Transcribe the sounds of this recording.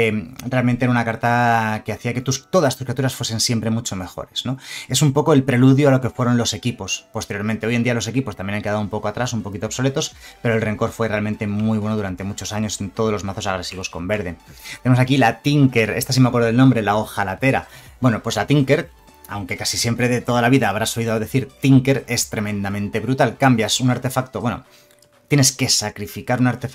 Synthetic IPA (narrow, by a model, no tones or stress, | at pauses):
realmẽnt̪eeɾaunakaɾt̪akeaθiake̞t̪ust̪o̞ðast̪uskɾijat̪uɾasfwe̞se̞nsje̞mpɾe̞mut͡ʃo̞me̞xo̞̰ɾe̞z̥no̞e̞sumpo̞ko̞e̞lpɾe̞luðjoalo̞ke̞fwe̞ɾo̞nlo̞se̞kipo̞spo̞st̪e̞ɾjo̞ɾment̪e̞o̞je̞nd̪ialo̞se̞kipo̞st̪amjenaŋke̞ðaðumpo̞ko̞at̪ɾasumpo̞kit̪oβso̞le̞t̪o̞spe̞ɾo̞e̞lre̞ŋko̞ɾfwe̞realmẽnt̪e̞mmujβ̞we̞noðuɾant̪e̞mut͡ʃo̞saɲo̞sent̪o̞ðolo̞zmaθo̞saɣ̞ɾe̞siβ̞o̞sko̞mbe̞ɾð̞e̞nt̪enemosakilat̪iŋke̞ɾe̞st̪asimeakwe̞ɾðoelnombɾe̞laoxalat̪e̞ɾa̰bwe̞no̞pwe̞zlat̪iŋke̞ɾ | a̰wŋke̞kasisje̞mpɾe̞ðe̞t̪o̞ð̞alaβiðaːβɾasoliðoðe̞θiɾt̪iŋke̞ɾe̞st̪ɾe̞mẽ̞nd̪amẽ̞nt̪e̞βɾut̪alkambjasunaɾt̪e̞fak̚t̪oβwe̞no̰ | t̪je̞ne̞ske̞sakɾifikaɾunaɾt̪e